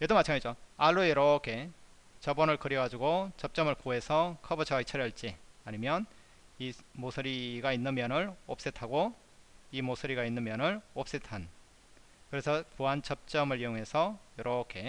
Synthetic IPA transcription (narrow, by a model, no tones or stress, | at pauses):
jedomat͡ɕʰɯŋaid͡ʑoaɭːueɾʌkʰe̞ | t͡ɕʌbʌnɯɭkɯɾjʌɡad͡ʑuɡot͡ɕʌp̚t͡ɕ͈ʌmɯɭkoɦe̞sʰʌkʰʌbɯt͡ɕʰʌaɡit͡ɕʰʌɾjʌɭt͡ɕ͈iaɲimjʌn | imosʰɯɾiɡainːɯnmjʌnɯɭop̚s͈etʰaɡo | imosʰɯɾiɡainːɯnmjʌnɯɭop̚s͈etʰan | kɯɾe̞sʰʌpuɦant͡ɕʌp̚t͡ɕ͈ʌmɯɭijoŋɦe̞sʰʌjʌɾʌkʰe̞